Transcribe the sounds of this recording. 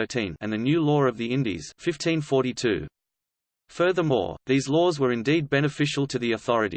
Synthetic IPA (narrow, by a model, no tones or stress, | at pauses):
ɜ˞ɾʰḭ̃nɨ̃nðɨnjʉlɔɹʌvðiɪ̃ndḭz̥fɪftʰĩnfɔɹɾitʰʉ̰ | fɜ˞ðə˞mɔ̰ɹðizlɔzwə˞ɨ̃ndid̚bɛnɨfɪʃl̩ˠtʰɨðiɨθɔɹɨɾḭ